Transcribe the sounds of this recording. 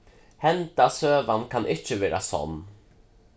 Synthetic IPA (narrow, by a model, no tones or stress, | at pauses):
hɛnt̪asøːvankʰanʔɪt͡ʃːəvɛːɾa̰sɔ̰nː